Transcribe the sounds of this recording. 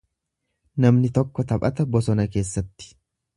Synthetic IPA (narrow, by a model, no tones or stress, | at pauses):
nɐmnɪt̪ɔkːɔt̪ɐpʼɐt̪ɐbɔsɔnɐke̞ːsːɐt̪ːɪ̥